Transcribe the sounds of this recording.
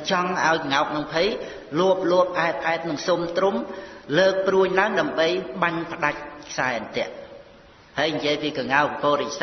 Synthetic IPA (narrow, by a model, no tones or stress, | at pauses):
t͡ɕɑŋʔaɔjkaŋaɔk̚nɨŋpʰɨj | luəp̚luəp̚ʔaɛt̪̚ʔaɛt̪̚nɨŋsumt̪rumləːk̚pruəɲlaəŋɗaəmɓəjɓaɲpə̆ɗac̚kʰsaɛnt̪ɛ̆əʔ | haəjɲjiəjpiːkaŋaɔk̚poːɾics